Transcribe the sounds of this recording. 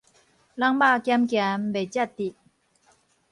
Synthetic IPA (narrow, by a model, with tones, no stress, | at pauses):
la˥ŋbaː˥˧˨kjɛ˥mkjɛ˨mbe˨t͡ɕɛ˥˩t̪̚ːi˨˩